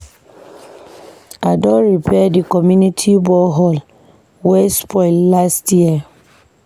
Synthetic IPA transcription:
adɔɾipʰɛdikɔmjunitʰibɔɦɔl | wɛspʰɔɪlːastjiə

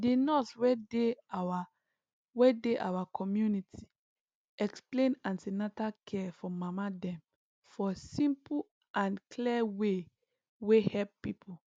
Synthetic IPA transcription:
denɔswɛdewa | wɛdeʔa̰wakʰɔmjunitʰi̥ | ɛksplẽnãnsinatakʰɛfɔmamadɛ̃m | fɔsĩmpu | ãnkʰlɛwe | wehɛlppipʰo

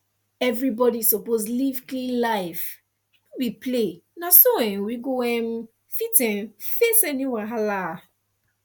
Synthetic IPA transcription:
ɛvɹibɔdisoposlivklĩlaɪf | wiplenasoɛ̃nwiɡowɛm | fitɛ̃nfesɛniwɛɦala

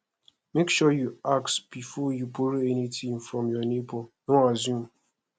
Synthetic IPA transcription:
mekʃɔjuaksb̥ifɔjubuɾiɛnitĩmfɹɔ̃mjɔnebonoazjũm

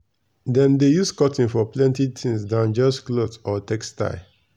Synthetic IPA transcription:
dɛ̃mdejuskɔtĩnfɔplɛ̃ntitʰĩŋsdãnd͡ʒɔsklotɔtɛksta̰ɪ

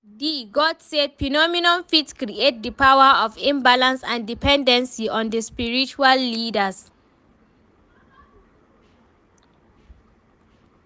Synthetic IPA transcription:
diɡɔdsed̚pʰɹinɔminɔ̃nfitskɾiet̚dəpʰawaɔfĩmbalãnsãndipʰɛ̃ndɛ̃nsiɔ̃ndəspiɹit͡ʃualːidəs

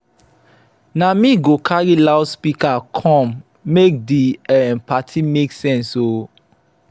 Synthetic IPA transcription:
namĩɡokʰaɾilawspikakʰɔ̃mː | ek̚diɛmpatʰimeksɛ̃nso

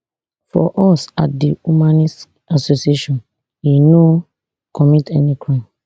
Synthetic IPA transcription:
fɔ̰ʔɔsat̚dihumãnist | asosieʃɔ̃n | ino | kʰɔmitɛnikʰɹãm

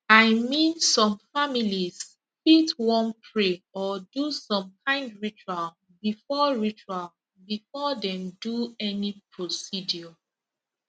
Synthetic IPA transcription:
aɪmĩnsɔ̃mfamilis | fitwɔ̃npʰɹeɔdusɔ̃mkʰãɪ̃ndɹit͡ʃual | bifɔɹit͡ʃual | bifɔdɛ̃mduɛnipʰɹosidiɔ

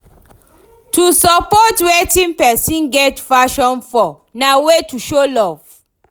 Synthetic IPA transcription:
tʰusɔpɔtwetĩmpɛsĩnɡɛtfaʃɔ̃nfɔ | nawetuʃolɔv̥

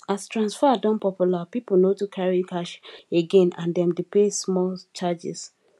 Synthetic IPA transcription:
astɹãnsfadɔ̃npɔpulapipl̩notukʰaɹikaʃeɡẽnãndɛ̃mdepesmɔlt͡ʃad͡ʒɛ̰s

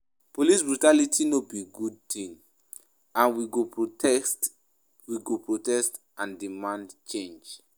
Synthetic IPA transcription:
polis̬bɹutalitʰinobiɡud̚tĩn | ãnwiɡo | t | wiɡopɹotɛst | ʔãndimãndt͡ʃẽnd͡ʒ

